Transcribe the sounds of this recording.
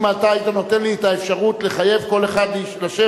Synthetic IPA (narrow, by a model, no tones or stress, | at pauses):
mat̪ait̪anot̪e̞nliet̪aefʃaʁut̪le̞χaje̞vko̞le̞χad̪liiʃlaʃe